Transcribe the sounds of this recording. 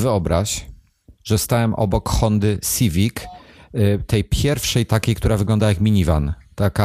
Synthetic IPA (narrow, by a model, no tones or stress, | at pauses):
vɘɔbɾaɕ | ʐɛst̪awɛmʔɔ̰bɔkxɔnd̪ɘsʲivʲik | t̪ɛjpʲjɛɾfʂɛjt̪akʲejkt̪uɾavɘɡlɔnd̪ajakmʲiɲiva̰n | t̪aka